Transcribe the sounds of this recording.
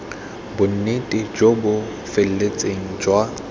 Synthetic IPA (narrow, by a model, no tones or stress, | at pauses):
bʊn̩netʼɪd͡ʒobʊ | fel̩let͡sʼeŋ̩d͡ʒwa